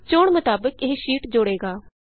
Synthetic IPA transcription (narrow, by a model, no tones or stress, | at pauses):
t͡ʃʊɳmʊt̪aːbəkɪɦʃiːʈd͡ʒʊɽeːɡaː